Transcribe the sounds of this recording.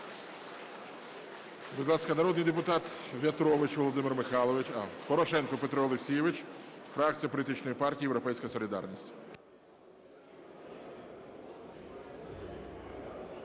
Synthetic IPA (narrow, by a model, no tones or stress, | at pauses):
bʊɪd̪lˠɑskɐnɐɾɔd̪nɪjd̪epʊt̪ɑt̪ | ʋʲɐt̪ɾɔʋɪt͡ʃʋɔlˠɔd̪ɪmɪrmɪxɑlˠɔʋɪt͡ʃɐpɔɾɔʃɛnkɔpet̪ɾɔɔlˠeksʲijɛʋɪt͡ʃfɾɑk̚t͡s̪ʲijɐp̬ɔlʲit̪ɪt͡ʃnɔjipɑrtʲiːjeʋwɾɔpɛjsʲkɐsɔlʲid̪ɑ̰rnʲisʲtʲ